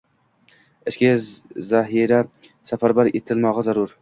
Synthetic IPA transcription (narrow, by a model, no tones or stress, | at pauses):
ɪʃkʲezzaɦiɾa | safaɾbaɾet̪ʰɪlmɒʁazaɾʊɾ